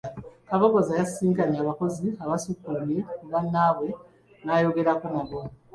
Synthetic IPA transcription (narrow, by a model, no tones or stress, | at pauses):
kaβokozajasiːŋkaɲaːβako̞ziaβasukumiβanːaːβwe̞ | najoɡe̞ɾakonaβo